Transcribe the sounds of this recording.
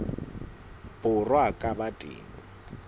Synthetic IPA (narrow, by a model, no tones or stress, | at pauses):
bʼʊrwakʼabatʼḛːŋ̩